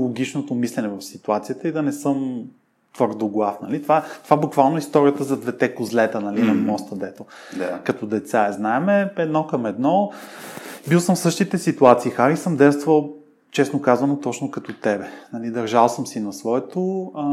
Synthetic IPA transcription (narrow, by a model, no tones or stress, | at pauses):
lˠoɡ̟it͡ʃnot̪omislɛnɛvɐfsit̪uat̪sijət̪əid̪ɐnɛsɤm | t̪vɤɾd̪oɡlˠafnɐlit̪ovaɛt̪ovaɛbukvalˠnoɛist̪ɔɾijət̪əzɐd̪vɛt̪ɛkozlɛt̪ənɐlinɐmɔst̪əd̪ɛt̪oakɐt̪ɔd̪ɛt̪saɛznaɛmɛɛd̪nɔkɐmɛd̪nɔ | bilˠsəmfsɤʃt̪it̪ɛsit̪uat̪siːxaɾisɤmd̪ɛst̪vvɐlˠ | t͡ʃɛsnokazvɐnot̪ɔt͡ʃnokɐt̪ɔt̪ɛbɛnɐlid̪ɐɾʒalˠsəmsinɐsvɔɛt̪o